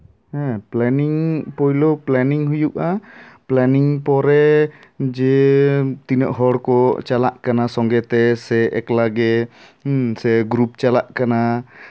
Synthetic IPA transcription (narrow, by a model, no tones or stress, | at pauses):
ɛ̃plɛniŋpɔjlɔplɛniŋɦujuʔaplɛniŋpɔɾɛ | d͡ʒɛ | t̪inəʔɦɔɽkɔt͡ʃala̰ʔkanasɔŋɡɛt̪ɛsɛʔɛklaɡɛ | sɛɡɾup̚t͡ʃalaʔkana